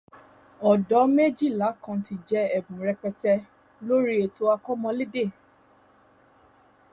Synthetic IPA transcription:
ɔ˨dɔ˨˦me˦d͡ʒi˦˨la˨˦kã˧ti˧d͡ʒɛ˦ɛ˨bũ˨ɾɛ˧k͡pɛ˧tɛ˧ | lo˦ɾi˦e˨to˧˦a˧kɔ˦mɔ̃˧le˦de˦˨

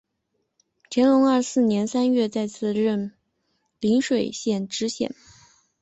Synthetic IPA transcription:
t͡ɕʰjɛ˧˥nlʊ˧˥ŋə˞˥˧sɹ̩˥˩njɛ˧˥nsa˥nɥɛ˥˧t͡sa˥˧ɪt͡sʰɹ̩˥˩ɻə˥˩n | li˧˥ŋʂwe˨˩ɪɕjɛ˥˩nʈ͡ʂɻ̩˧˥ɕjɛ̰˨˩n

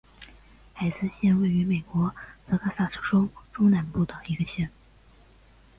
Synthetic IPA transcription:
xa˨˩ɪsɹ̩˥˧ɕjɛ˥˧nwe˥˩ɪy˧˥me˨˩ɪkwɔ˧˥t͡sʰɤ˧˥kʰa˥sa˥˩ʈ͡ʂʰɤ˥ʈ͡ʂo˥ʊʈ͡ʂʊ˥na˧˥npu˥˩t̪ə˩ŋi˧˥ɡə˧ɕjɛ˥˩n˥˩

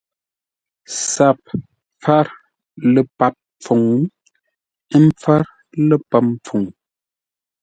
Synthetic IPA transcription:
sa˨p̚ | p͡fa˦ɾ | lə˨pa˨p̚ | p͡fo˨ŋ˦ | ə˦m˦p͡fa˦ɾ | lə˦pa˨p̚p͡fo˨ŋ

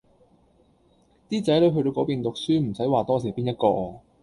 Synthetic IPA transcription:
t̪iː˥t͡sɐ˨˥jlo˨˧˥ɥɦɵ˧t̪o˧wkɔː˨˥piː˨nt̪ʊ˨k̚syː˥m̩˨˩sɐ˨˥jwaː˨t̪ɔː˥siː˨˩piː˥njɐ˥t̚kɔː˧

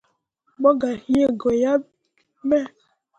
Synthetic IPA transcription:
ɡ͡bɔ˦ɡa˨hi˦e˦ɡo˨ja˦ | me˦

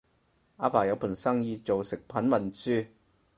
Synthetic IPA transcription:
aː˧˥pʰaː˨˩jɐ˨˧wpʰuː˨˩nsɐ˥ŋjiː˧t͡so˨wsɪ˨k̚pʰɐ˨˥nmɐ˨˩nt͡syː˥

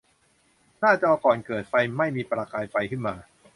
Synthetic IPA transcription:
nʰaː˥˩t͡ɕa˨˩˧kɔː˨˩nkɤː˨˩t̪̚fa˧jma˥˩jmiː˧pɾaː˧kaː˧jfa˧jkʰɯ˥˩nmaː˧

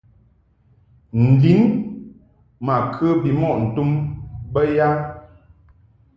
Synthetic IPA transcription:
n̩˨di˨˦n | ma˨kʰə˦bi˨mɔ˦˨ʔn̩˨tu˦mbə˦ja˦

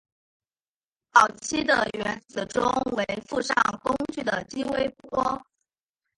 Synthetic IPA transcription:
pɑ˨˩ʊt͡ɕʰi˥d̪ə˨ɥɛ˧˥nt͡sɹ̩˨˩ʈ͡ʂʊ˥ŋwe˧˥ɪfu˥˧ʂɑ˥˩ŋkʊ˥ŋt͡ɕy˥˩d̪ə˩t͡ɕi˥we˥˩ɪpu˥˩wɔ˥

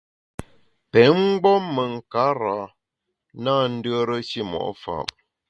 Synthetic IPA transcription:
pɛ˨˦ŋ͡m̩˦ɡ͡bɔ˦mːə˨ŋ̩˨ka˨˦ɾa˨˦ | naː˦˨n̩˦də˦ɾə˦ʃi˦mɔ̰˨ʔfa̰˨m

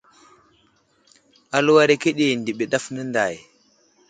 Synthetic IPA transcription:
a˨lu˦wa˦ɾe˨ke˦ɗe˨ndi˨ɓe˨ɗa˦fnə˦nda˨j

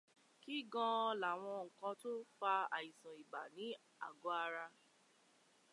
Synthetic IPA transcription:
ki˦ɡɔ̃˦ɔ˧la˨w̃ɔ̃˧ŋ̩˨kɔ̃˧to˦fa˧a̰˨i˨sã˨i˨ba˨nĩ˨˦ | a̰˨ɡo˨˦a˧ɾa˧

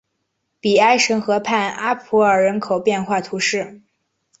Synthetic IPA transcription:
pi˨˩a˥ɪʂə˧˥ŋxɤ˧˥pʰa˥˩na˥pʰu˧˥ə˞˨˩ɻə˧˥nkʰo˨˩ʊpjɛ˥˧nxwa˥˩t̪ʰu˧˥ʂɻ̩˥˩

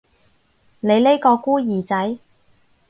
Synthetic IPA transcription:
ne˨˧jle˥jkɔː˧kuː˥jiː˨˩t͡sɐ˨˥j

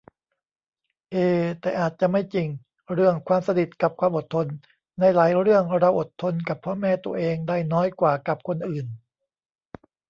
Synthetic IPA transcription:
ʔeː˧˩t̪ɛː˨˩ʔaː˨˩t̪̚t͡ɕa˨˩ʔma˥˩jt͡ɕi˧˩ŋ | ɾɯ˥˩əŋkʰwaː˧msa˧di˨˩t̪̚ka˨˩p̚kʰwaː˧mʔo˨˩t̪ʰːo˧nː | a˧˩jlaː˩˦jɾɯ˥˩əŋɾa˧wʔo˨˩t̪ʰːo˧nka˨˩pʰːɔː˦˥mɛː˥˧˩t̪u˧ɐʔeː˧ŋdaː˥˩jnɔː˦˥jkwaː˨˩ka˨˩p̚kʰo˧nʔɯː˨˩n

